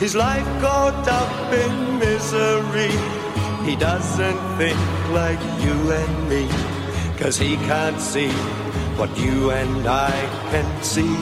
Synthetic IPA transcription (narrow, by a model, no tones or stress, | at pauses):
hɨzlaɪfɡ̥ɔɾʌpɪ̃n | mɪzəɹi | hidʌzɨ̃nθɪ̃ŋkklaɪkjɨɨ̃nmi | kʰʌz̥ikʰæ̃ntsi | wʌt͡ʃɨɨ̃naɪ | kʰɨ̃n | si